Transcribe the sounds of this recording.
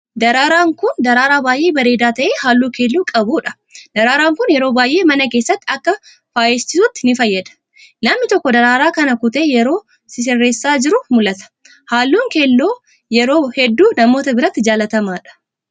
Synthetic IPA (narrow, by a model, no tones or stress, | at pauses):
d̪ɐɾaːɾaːŋkʊnd̪ɐɾaːɾaːbaːjʔe̞ːbɐɾe̞ːd̪aːt̪ɐʔeːhaːlːuːkeːlːuːkʼɐbuːᶑɐ̥ | d̪̥ɐɾaːɾaːŋkʊnjɛɾo̞ːbaːjʔe̞ːmɐnɐk̬e̞ːsːɐt̪ːɪɐkːɐ | faːjeːst͡ʃɪsʊt̪ːɪnɪfɐjːɐd̪ɐ̥ | nɐmːɪt̪ɔkːɔd̪ɐɾaːɾaːkɐnɐkʊt̪eːjɛɾo̞ː | sɪs̬ɪrːeːsːaːd͡ʒɪɾʊmʊlɐt̪ɐ̥ | haːlːuːŋkelːoː | jɛɾo̞ːhɛd̪ːuːnɐmo̞ːt̪ɐbɪɾɐt̪ːɪd͡ʒaːlɐt̪ɐmaːᶑɐ̥